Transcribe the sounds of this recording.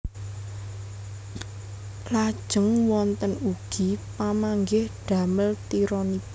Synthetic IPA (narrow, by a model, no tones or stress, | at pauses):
lad̥ʒ̥ə̤ŋwɔnt̪ənuɡ̥ipamaŋɡɪhɖ̥a̤məlt̪iɾɔnib